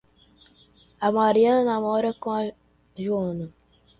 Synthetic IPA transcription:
amaɾijannamɔɾekɔ̃ | ʒnnɨ

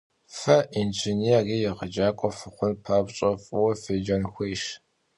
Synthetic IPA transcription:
fɐʔint͡ʃʰɪniaɣijɛʁəd͡ʒaːkʷʼɔfɨχʷʊnpʰaːbɕʼɔfʼʊwɐfeːd͡ʒɐnxʷejʃ

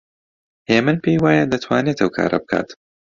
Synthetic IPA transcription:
hemɨnpʰejwaːjɐd̪ɐt̪ʰwaːnet̪ɐwkʰa̰ːɾʔɐ̰bɨkʰa̰ːt̪

